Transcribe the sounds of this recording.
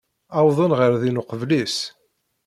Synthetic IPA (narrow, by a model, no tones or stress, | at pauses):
ɑwðˤənʁəɾðinʊqəvlis